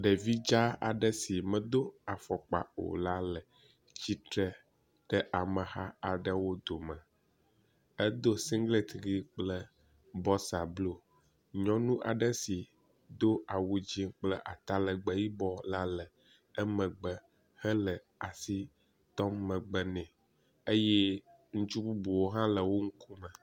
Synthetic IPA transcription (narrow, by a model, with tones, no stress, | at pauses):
ɖə˨vi˦d͡ʒa˦a˨ɖə˦si˨mə̃˨d̪o˦a˨fɔ˨k͡pa̰˨o̰˨la˦lə˨ | t͡ɕi˦t̪ɾə˦ | ɖə˦ʔa˨mə̃˨ha˦a˨ɖə˦wo˦d̪o˨mə˨ | ə˦d̪o˦sĩ˦ŋɡle˦t̪ɣi˦k͡plə˦ | bɔ˦sa˨blo˦ | ɲɔ̃˦nũ˦ʔa̰˨ɖə˦si˨ | d̪o˦a˨wu˨d͡ʑi˦k͡plə˦ʔa˨t̪a˦lə˨ɡ͡bə˨ji˦bɔ˦la˦lə˨ | ə˦mə̃˨ɡ͡bə˨ | hə˦lə˨ | a˨si˦ | t̪ɔ˦mːə˨ɡ͡bə˦nɛ̃˨ | ə˦jɛ˦ | ŋũ˦t͡ʃu˦bu˦bu˨wo˦ɦã˦lə˨wo˦ŋ̩˦ku˦mə˨